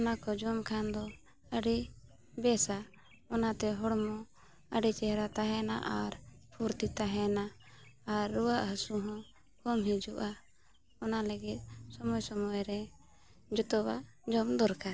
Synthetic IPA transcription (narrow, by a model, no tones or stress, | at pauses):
ɔnakɔd͡ʒɔmkʰand̪ɔ | əɖi | bɛsa | ɔnat̪ɛɦɔɽmɔ | əɖit͡ʃɛɦɾat̪aɦɛnaʔaɾ | pʰuɾt̪it̪aɦɛnaː | ɾːuwaʔɦəsuɦɔ̃ | kɔmɦid͡ʒuʔa | ɔnaləɡit̪̚sɔmɔjsɔmɔjɾɛ | d͡ʒɔt̪ɔwaʔ | d͡ʒɔmd̪ɔɾka